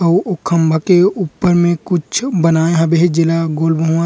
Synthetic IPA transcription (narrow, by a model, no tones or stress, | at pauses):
əʊkʰːə̃mbʱakeuːpːəɾmẽkʊt͡ʃʰbənaːẽɦɐbeɦed͡ʒɪlaɡoːlbəɦuã